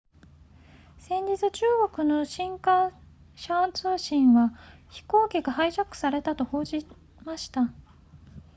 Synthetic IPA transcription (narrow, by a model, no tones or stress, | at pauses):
sẽ̞ɲd͡ʑit͡sɨt͡ɕɨːɡo̞kɯ̟no̞ɕĩŋkã | ɕant͡sɨːɕĩɰ̃βaçi̥ko̞ːkʲiɡahaiʑakɯ̟̥saɾe̞t̪at̪o̞ho̞ːʑi | maɕi̥t̪a